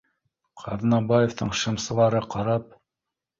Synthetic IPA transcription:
qʰɑðnɑbajoft̪ɤɴʃɤ̆msɤ̆lˠɑɾɤqɑɾɑp̚

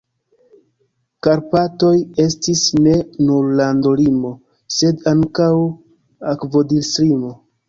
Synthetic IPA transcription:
kaɾpato̞je̞stisne̞nuɾlando̞limo̞ | se̞daŋkaw | akvo̞dilsɾimo

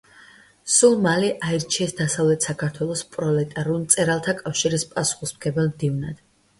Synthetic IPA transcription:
sulˠmaliʔaiɾt͡ʃʰiɛsd̪̥asavlɛt̪ʰsakʰaɾt̪ʰwɛlˠɔspʼɾɔlɛt̪ʼaɾulˠmt̪sʼɛɾalˠt̪ʰakʼafʃiɾispʼasu̥χismɡɛbɛlˠmd̪ivnad̪̥

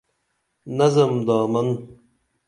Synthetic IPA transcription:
nɐzɐmd̪aːmɐn

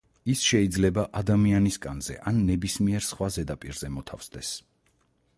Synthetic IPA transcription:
isʃɛid̪zlɛbaʔad̪amianiskʼanzɛ̰ʔanːɛbismiɛɾsχwazɛd̪apʼiɾz̥ɛmɔt̪ʰa̰fsd̪ɛs

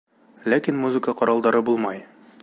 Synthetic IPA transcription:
lækinmuzɨkəqɒɾɑlˠd̪ɑɾɤbulˠmɑj

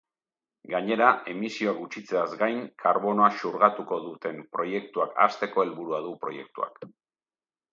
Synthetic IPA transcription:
ɡaɲe̞ɾae̞misio̞aɡut͡ʃit͡se̞azɡajŋkʰaɾβo̞no̞aʃuɾɣat̪uko̞ðut̪e̞mpɾo̞je̞k̚t̪uaka̰st̪e̞ko̞e̞lβuɾuaðupɾo̞̰je̞̰k̚t̪ua̰k

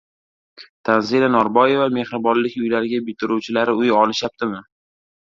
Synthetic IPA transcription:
t̪ʰanzilanɒɾbɒje̞vame̞hɾɪbɒnlɪkʲʊjlaɾɪɡʲabɪt̪ʰɪɾuwt͡ʃʰɪlaɾɪʊjɒlɪʃjap̚t̪ɪmɪ

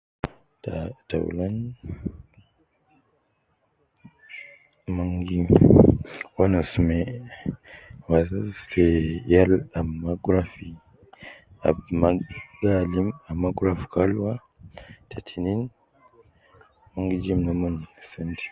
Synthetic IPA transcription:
tata̰w̰lan | maŋɡi | wanosme | wazatʰejalamaɡɾafi | a̰maɡalimamːaɡɾafkalwa | tʰetʰinin | maŋɡid͡ʒimnamunsentʰi̥

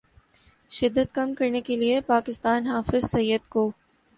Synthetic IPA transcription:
ʃɪd̪ːət̪̚kɐmkɐɾnekeliepaːkɪst̪aːnɦaːfɪzsɐjːəd̪koː

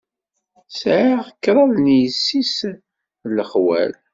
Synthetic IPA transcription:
sʕaʁəkːɾˤɑðnjəsːis | ləχwæ̰l

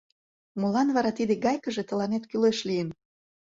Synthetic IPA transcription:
mulɑnβɑɾɑt̪id̪eɡɑjkəʒet̪ə̆lɑnet̪kyleʃlijən

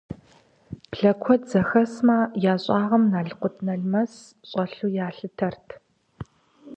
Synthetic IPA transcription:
pɬɐkʷʰɔzɐxɐsmaːjaːɕʼɑːʁɐmnaːɮɨqʷʊtʰnɐɮmɐs | ɕʼɐɬuːjaːɬɨtʰɐrtʰ

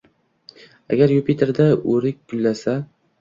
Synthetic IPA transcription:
a̰ɡʲaɾjupit̪ʰeɾd̪aɵɾɪk̚ʲɡ̥ʊlːasa

